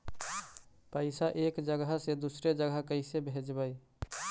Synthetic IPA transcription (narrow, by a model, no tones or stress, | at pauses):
pəɪsaʔeːkd͡ʒəɡəɦsed̪usɾed͡ʒəɡəɦkəɪsebʱed͡ʒbəi